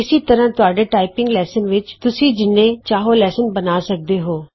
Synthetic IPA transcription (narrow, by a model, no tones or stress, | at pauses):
ɪsiːt̪əɾãːt̪ʊaːɖeːʈaːipɪ̃ŋɡlɛːsənʋɪt͡ʃt̪ʊsĩːd͡ʒɪnːẽːt͡ʃaːɦoːlɛːsənbənaːsək̚d̪eːɦoː